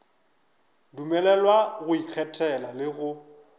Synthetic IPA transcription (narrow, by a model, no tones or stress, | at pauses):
dumɛlɛlwaɣʊik͡xʰɛtʰʼɛlalɪɣʊ